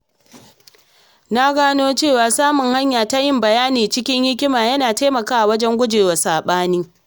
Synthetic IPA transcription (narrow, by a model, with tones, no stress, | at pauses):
na˦ɡaː˦noː˦t͡ʃeː˦˨waː˨saː˦mʊ˨ŋha˦ɲjaː˨ta˦jɪ˦mbɐ˨jaː˦niː˨t͡ʃɪ˦kʲɪ˦ɲjɪ˦kʲɪ˦maː˨jɐ˦naː˨ta˦mɐ˨kaː˦ʔa˨wɐ˦d͡ʒɛ˦ŋɡʷʊ˦d͡ʒeː˨wa˨saː˨ɓaː˦niː˦